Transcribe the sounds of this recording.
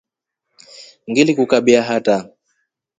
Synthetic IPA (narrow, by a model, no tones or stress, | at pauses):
ŋɡilikukaɓiaɦata